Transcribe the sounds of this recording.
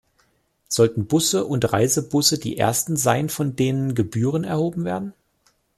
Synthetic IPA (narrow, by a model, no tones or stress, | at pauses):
z̥ɔltn̩bʊsəʔʊntʁa̰ɪzəbʊsədḭːʔḛːɐstn̩zaɪnfɔndeːnənɡəbyːʁənɛɐhoːbm̩veːɐdn̩